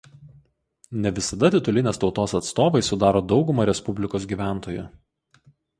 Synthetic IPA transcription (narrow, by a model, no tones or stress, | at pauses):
nʲɛʋʲɪsɐd̪ɐt̪ʲɪt̪ʊlʲɪnʲeːst̪ɒʊt̪oːsɐt̪st̪oːʋɐɪsʊd̪ɑːɾoːd̪ɒʊɡʊmɐɾʲɛspʊbʲlʲɪkoːs̬ɡʲiːʋʲæˑnt̪oːjʊ̰